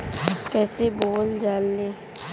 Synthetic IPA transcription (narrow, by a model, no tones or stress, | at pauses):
kɛːseboːld͡ʒaːlːeː